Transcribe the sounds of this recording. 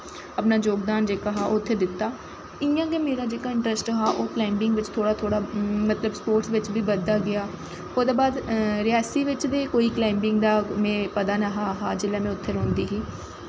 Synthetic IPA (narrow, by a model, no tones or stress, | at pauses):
əpnaːd͡ʒoːkd̪aːnd͡ʒeːkaɦaːoːʊt̪ʰːeːd̪ɪt̪ːaː | ɪjãːkeːmeːɾaːd͡ʒeːkaːɪɳʈɾəsʈɦaːʔoːklaːɪmbɪ̃ŋɡʋɪt͡ʃt̪ʰoːɽaːt̪ʰoːɽaːmət̪ləbspoːɾʈsʋɪt͡ʃbiːbəd̪ːaːɡɪaː | oːd̪aːbaːd̪ɾɪjaːsiːʋɪt͡ʃd̪eːkoːiːklaːɪmbɪŋɡd̪aːmɛ̃ːpəd̪aːnəɦaːɦaːd͡ʒɪleːmɛ̃ːʊt̪ʰːeːɾõːnd̪iːɦiː